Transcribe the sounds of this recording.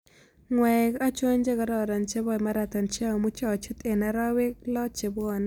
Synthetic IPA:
ŋwɛ˨ka˦t͡ʃo˦ɲd͡ʒe˦kɔ˨ɾɔ˨ɾɔ˨nt͡ʃe˦bɔ˨ma˦ɾa˨t̪ɔ˨nt͡ʃa˦˨mu˦t͡ʃɔ˨t͡ʃu˦t̪e˨na˨ɾa˦wɪ˦klɔ˦t͡ʃe˨bɔ˨n

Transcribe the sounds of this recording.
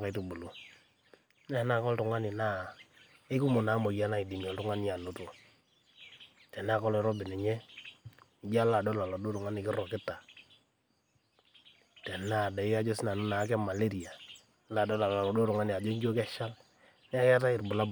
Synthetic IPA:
ka˨i˦tu˨bu˨lo˦ | n˦a˦˨˦na˦˨kɔ˦ltʊ˨ŋa˦nɪ˨na˦˨ | e˦ku˦mʊ˨na˨˦mo˨ja˦na˦i˨di˨nɔ˨ltʊ˦ŋa˦n˦ja˨no˦to˨ | tɛ˨na˦˨kɔ˦lɔ˨ɾɔ˦bɪ˨nɛ˨ɲɛ˦˨ | d͡ʒa˦la˨dɔ˦la˨lɔ˨do˦tʊ˨ŋa˦nɪ˨kɪ˦ɾɔ˨kɪ˦ta˨ | tɛ˨na˦˨dɛ˨ɪ˦a˦d͡ʒo˦sɪ˦na˨nʊ˦na˨˦k̬ɛ˦ma˨le˦ɾi˨a˨˦ | la˨dɔ˦la˨la˨lɔ˨do˦tʊ˨ŋa˦nɪ˨a˨d͡ʒo˦ɲd͡ʒo˦kɛ˦ʃa˦l | nɛ˦a˦kɛ˦ta˦ɪ˨rbʊ˨la˦b

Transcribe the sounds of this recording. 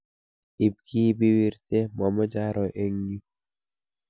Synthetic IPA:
i˨b̚ki˦bi˦wi˦ɾt̪e˦mɔ˨mɔ˦d͡ʒa˦ɾɔ˨ʔe˦ŋɡi˦

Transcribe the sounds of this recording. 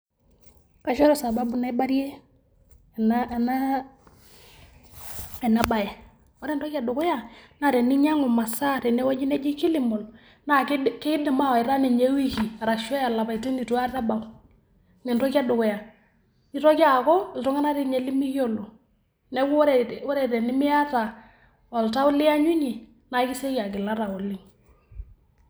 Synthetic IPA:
ka˨˦ʃɔ˦ɾɔ˦sa˨ba˦bu˨na˦i˦ba˦ɾje˦˨ | na˦˨na˦ | ɛ˨na˨ba˨jɛ˨ | wɔ˦ɾɛ˦˨ntɔ˦ka˨dʊ˨kʊ˦ja˦˨na˦˨ɾɛ˨nɪ˦ɲa˦ŋʊ˨ma˨sa˦˨ɾɛ˨nɛ˦wɔ˦d͡ʒi˦nɛ˦d͡ʒi˦kɪ˦lɪ˨mɔ˨l | na˦˨kkɪ˦dɪ˨ma˦wa˨ɪ˨ɾa˦ni˨ɲe˦wi˦ki˨a˨ɾa˨kʃɔ˦ja˨la˨pa˨i˨ti˦ni˨tu˦a˦ta˦ba˨w | ŋɛ˨ntɔ˦ka˦dʊ˨kʊ˨ja˨ | ɲi˨tɔ˦ka˦˨kɔ˦ɪ˨ltɔ˦ŋa˦na˦ɾi˨ɲe˨li˦mi˦kjo˦lo˨ | nɛ˦wɔ˦ɾɛ˨tɛ˨nɪ˦mɪ˦a˦ta˨ | ɔ˨lta˦ʊ˦lɪ˦a˦ɲu˦ɲi˨ | na˨˦kɪ˦se˦ka˨k̬ɪ˨la˦ɾa˨ɔ˨lɪ˦ŋ

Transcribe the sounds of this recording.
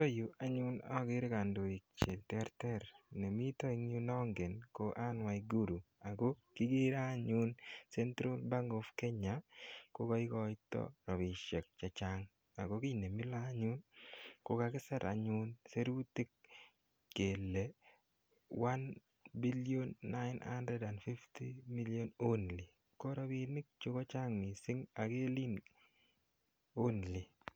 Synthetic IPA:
to˦ju˨ʔa˦ɲʊ˦nɔ̰˦ɡɪ˦ɾɪ˦ka˨ndo˨i˨k̚t͡ʃe˨ltɛ˦ɾtɛ˦ɾne˨mi˦tɔ˦i˦ŋɲu˦nɔ˦ŋɡe˨nko˦ʔa˦nwa˨iɡu˦ɾu˨a˨ɡo˦kɪ˦ɡe˦ɾa˦ɲu˦nse˦ntɾo˦lba˦ŋɡo˨fke˦ɲa˨ko˦kɔ˦ɪ˦kɔ˦ɪtɔ̰˦ɾɔ˨bɪ˨ʃɛ˨k̚t͡ʃa˨t͡ʃa˦ŋ | a̰˨ɡo˦kɪ˦˨ne˨mi˦la˦ɲu˦nko˨kakɪ˦sɛ˦ɾʔa̰˨ɲʊnse˦ɾu˦ti˦kː | e˨lːe˨ | wa˦n | bi˦ljonːaɪna̰ndɾɛ˦da˨nfi˦ftimi˦lijo˦no˦nli˨ | ko˦ɾɔbi˨nɪ˦k̚t͡ʃo˦kɔ˦t͡ʃa˦ŋmi˨sɪ˦ŋa˨ke˦li˦n | o˦nli˨

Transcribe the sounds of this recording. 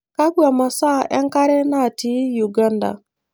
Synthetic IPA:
ka˦ɡu˦a˨ma˨sa˦˨ʔe˦ŋ̩˦ka˦ɾe˦na˦˨ti˦ju˨ɡa˦n˦da̰˨

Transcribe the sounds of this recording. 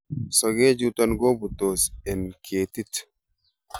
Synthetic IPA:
sa˨ɡe˦d͡ʒu˦t̪a˦nɡo˦bu˨t̪o˨sɛ˨nkʰeː˨t̪i˦t̪

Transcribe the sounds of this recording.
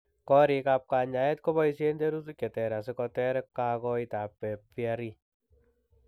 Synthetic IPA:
kɔɾika˧p̚ka˨ɲa˨ɛ˦t̚kɔbaisende˦ɾu˦sukʲɛ˨tɛ˨ɾa˨s̬ekɔ˧tɛɾɛkka˧kɔ˧ita˨pːɛ˨pjaɾi

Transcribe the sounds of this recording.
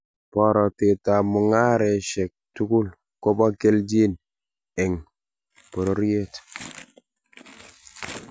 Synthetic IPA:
pɔ˦ɾɔ˨tɪ˨ta˨mʊ˨ŋa˦ɾɛ˨ʃɛ˨k̚tu˦ku˦l | kɔ˦ba˦ke˦ld͡ʒi˦n | ɛ˨ŋ | pɔ˨ɾo˦ɾi˦e˦t

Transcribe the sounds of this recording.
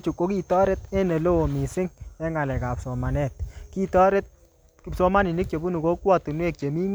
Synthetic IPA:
t͡ʃu˨kːo˦ki˦tɔ˦ɾe˦tɛ˦ne˨lo˦o˨mi˨sɪ˦ŋɛ˦ŋa˨lɛ˨ka˨psɔ˨ma˨nɛ˦˨t̚ki˦tɔ˦ɾe˦t̚ | psɔ˦ma˦ni˨ni˦k̚t͡ʃe˨bu˦nu˨ko˦kwɔ˦˨tu˨nwe˦˨k̚t͡ʃe˨mi˦ŋ

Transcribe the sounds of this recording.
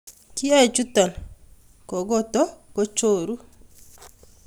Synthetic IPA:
ki˦a˦ɛ˨t͡ʃu˦tɔ˨l | kɔ˨ɡɔ˦tɔ˦ko˦t͡ʃo˦ɾu˦

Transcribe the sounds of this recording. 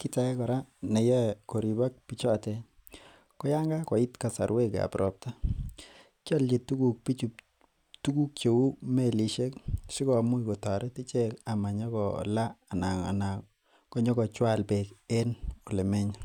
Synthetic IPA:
ki˦ta˦ɛ˦kɔ˨ɾa˦ne˨jɛ˦ko˨ɾi˨ba˦k̚pi˨t͡ʃɔ˦te˨ | kɔ˦ja˦ŋɡa˦kɔ˨i˦tka˨sa̰˨ɾwe˦ka̰˨pɾʔɔ˨p̚ta˦ | kjɔ˦lje˨tu˦ku˨k̚pi˦t͡ʃu | tu˦ku˦k̚t͡ʃo˨u˦me˦˨li˨ʃe˦ksi˦kɔ˨mu˦i˨kɔ˨ta˨ɾe˦ti˦t͡ʃe˦ka˨ma˨ɲɔ˦ɡɔ̰˨laː˦˨na˨ŋa̰˨na˨ | kɔ˦ɲɔ˦ɡɔ˨t͡ʃwa˦˨lpe˨ke˦no˨le˨me˦ɲa˦

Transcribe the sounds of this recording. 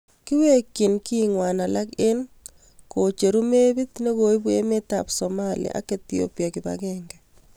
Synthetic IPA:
ki˦we˦kːi˨nkiŋwa˨na˨la˦ke˦n | kot͡ʃe˨ɾu˦me˦bi˦t̪ne˦koi˦bu˦ḛ˦me˦ta̰psomalḭa̰ʔa̰˦ketjo̰˦pjakɪba̰kɛŋɡɛ

